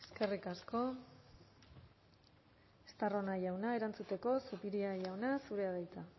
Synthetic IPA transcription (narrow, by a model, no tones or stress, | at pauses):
e̞ske̞rikasko̞ | e̥st̪aro̞najawnae̞ɾant͡sut̪e̞ko̞supiɾiajawnasuɾe̞aβajt͡s̪a